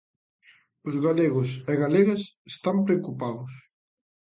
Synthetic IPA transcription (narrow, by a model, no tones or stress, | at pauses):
ʊzɣaleɣʊseɣaleɣesest̪ampɾeokupaðʊs